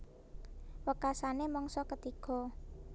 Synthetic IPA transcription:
wəkasanemɔŋsɔkət̪ikɔ̤

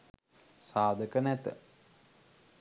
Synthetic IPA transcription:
saːd̪əkənɛt̪ə̰

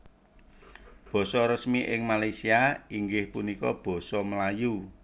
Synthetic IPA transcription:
b̥ɔ̤sɔɾəsmiʔɪŋmalajsiaiŋɡɪhpunikɔ̰b̥ɔ̤sɔməlaju

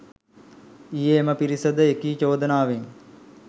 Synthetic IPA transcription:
ijeːməpiɾisəd̪əekiːt͡ʃoːd̪ənaːʋeŋ

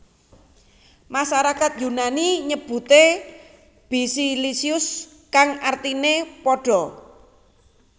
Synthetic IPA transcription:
maʃaɾakat̪̚junaniɲəb̥ṳt̪e | b̥isilisiʊs | kaŋart̪inepɔɖ̥ɔ̤

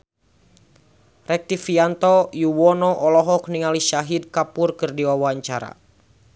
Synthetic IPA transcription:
rɛk̚t̪ifiant̪ɔjuwɔnɔʔɔlɔɦɔk̚niŋaliʃaɦid̪̚kapurkɨrdiwawaɲt͡ʃaɾa̰

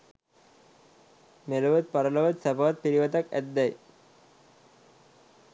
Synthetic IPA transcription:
melɐʋɐt̪̚pɐɾɐlɐʋɐt̪sɐbaʋɐt̪̚piɾiʋɐt̪ɐkæ̰d̪ːɐj

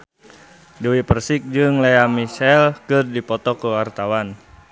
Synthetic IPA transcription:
duwipərsik̚d͡ʒɨŋlɛamiʃɛlkɨrdipɔt̪ɔkuwart̪awan

